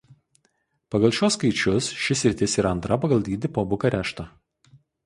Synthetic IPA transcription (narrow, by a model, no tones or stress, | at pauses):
pɐɡɐlˠʃʲuɔːskɐɪt͡ʃʲʊsʃʲɪsʲɾʲɪt̪ʲɪsiːɾɐɐnt̪ɾɐpɐɡɐlˠʲd̪ʲiːd̪ʲɪpoːbʊkɐɾʲæːʃt̪ɐ